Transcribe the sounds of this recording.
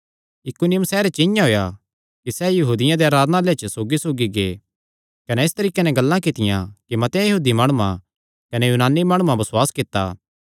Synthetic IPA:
ɪkunɪjə̃msɛːɾet͡ʃɪjãɦoːja | kisɛjɐɦuːd̪ɪjãd̪eaːɾaːd̪nalet͡ʃəsoːɡisoːɡiɡḛː | kɐnɛɪst̪ɐɾiːkenɛ̃ɡɐlːãkɪt̪ɪjã̰kimɐt̪ãjɐɦuːd̪imaːɽ̃ʊã̰ | kɐnɛjuːnaːnːimaːɽ̃ʊmãbɐswaːskɪt̪ːa̰ː

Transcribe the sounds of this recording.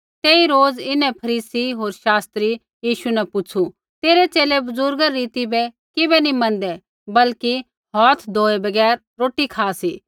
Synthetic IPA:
t̪eːiɾoːd͡zɪnɛ̃pʰɐɾiːsiɦoːɾʃaːst̪ɾi | jiːʃunɛpʊt͡ʃʰu | t̪eːɾet͡ʃeːlebʊzʊɾɡɐːiːt̪ibɛ | kɪbɛnĩmɐ̃nd̪ɛ | bɐlki | ɦɔːt̪ʰd̪ʱoːebɐɡɛːɾ | ɾoːʈikʰaːsiː

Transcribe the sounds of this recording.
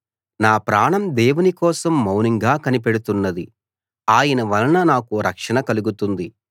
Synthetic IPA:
naːpɾaːɳɐmd̪eːwunikɔːsɐmːɐwniŋɡaːkɐnip̬eɽut̪unːɐd̪i | aːjɐnɐʋɐlɐnɐnaːkuɾɐkʂɐɳɐkɐluɡut̪und̪i

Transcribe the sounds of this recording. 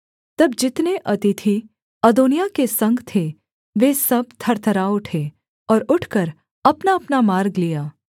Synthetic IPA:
t̪ɐbd͡ʒɪt̪neʔɐt̪ɪt̪ʰi | ɐd̪oːnijakesɐ̃ŋɡt̪ʰe | ʋesɐb̚t̪ʰɐɾt̪ʰəɾaʊʈʰe | ɔːɾʊʈʰkəɾ | ɐpnaɐpnamaːɾɡlijaː

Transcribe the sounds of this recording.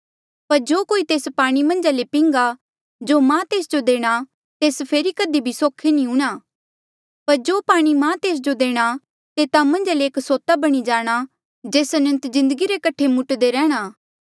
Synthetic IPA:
pɐɾd͡ʒoːkoːit̪eːspaːɽ̃imɐ̃nd͡ʒalepɪ̃ŋɡa | d͡ʒomãːt̪eːsd͡ʒod̪eːɽ̃a | t̪eːspʰeːɾikəd̪ibʱisoːkʰenĩʊ̃ːɽ̃aː | pɐɾd͡ʒoːpaːɽ̃imãːt̪eːs̬d͡ʒod̪eːɽ̃a | t̪eːt̪amɐ̃nd͡ʒaleːksoːt̪abɐɽ̃id͡ʒaːɽ̃a | d͡ʒeːsɐnə̃nt̪zɪ̃nd̪əɡiɾekɐʈʰemʊʈd̪eɾɛ̃ːɽ̃aː

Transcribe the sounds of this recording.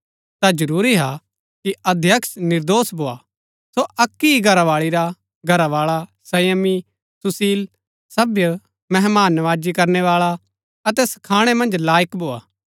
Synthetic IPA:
t̪ad͡ʒɐɾuːɾiɦa | kiɐd̪ʱjɐksnɪɾd̪oːsbʱoːa̰ | soɐkːiiɡʱɐɾaʋaːɭiɾa | ɡʱɐɾaʋaːɭasɐjəmi | sʊsiːl | sɐbjə | mɛɦmaːnːɐʋaːd͡ʒikɐɾneʋaːɭa | ɐt̪ɛsɐ̥kʰaːɽ̃ɛmɐ̃nd͡ʒlaːjəkbʱoːa̰ː

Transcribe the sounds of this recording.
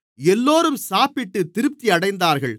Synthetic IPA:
ɛlːoːɾɯmsaːpɪʈːɯt̪ɪɾɯp̚t̪iɐɽɐɪnd̪aːɾɣɐɭ

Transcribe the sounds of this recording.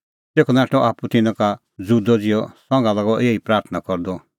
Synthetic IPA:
t̪eːkʰɔnaːʈɔʔaːput̪ɪnãka | d͡zud̪ɔd͡zɪjɔsɔ̃ŋɡalaɡɔʔeːipɾaːɾt̪ʰənakɔɾd̪ɔ

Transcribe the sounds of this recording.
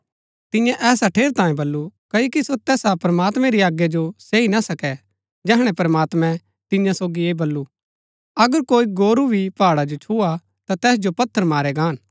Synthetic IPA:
t̪ɪ̃jãʔɛːsaʈʰeːɾt̪ãːjẽbɐlːukɐokisot̪ɛːsapɾɐmaːt̪mɛ̃ɾiaːɡjɛd͡ʒoseːinasɐkɛ | d͡ʒɛːɦɽ̃ɛpɐɾɐmaːt̪mɛ̃ | t̪ɪjãsoːɡieːbɐlːu | ɐɡəɾkoːiɡoːɾubʱipaːɽad͡ʒot͡ʃʰua | t̪at̪ɛːs̬d͡ʒopɐt̪ʰːəɾmaːɾɛɡaːn

